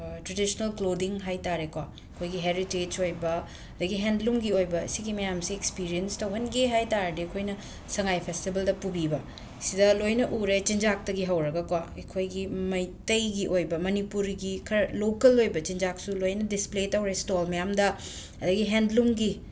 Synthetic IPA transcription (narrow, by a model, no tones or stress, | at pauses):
tɾedisonɐlklodiŋɦajtaɾekwa | kʰojɡiɦeɾited͡ʒojbɐ | ɐdɐɡiɦendlumɡiojbɐ̰siɡimɐjamsiekspiɾijenstɐwɦɐnɡeɦajtaɾdekʰojnɐ | sɐŋajpʰestibɐldɐpubibɐ | sidɐlojnɐʔuɾet͡ʃind͡ʒak̚tɐɡiɦɐwɾɐɡɐkwaekʰojɡimɐjtɐjɡiʔojbɐmɐnipuɾɡikʰɐɾlokɐlojbɐt͡ʃind͡ʒak̚sulojnɐdispletɐwɾestolmɐjamdɐ | ɐdɐɡiɦendlumɡi